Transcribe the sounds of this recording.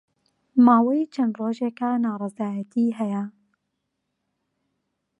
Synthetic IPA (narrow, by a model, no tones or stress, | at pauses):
maːwɐjt͡ʃʰɐnd̪roːʒeːkɐnaːɾˤɑzaːjɐt̪ʰiːɦɛjɐ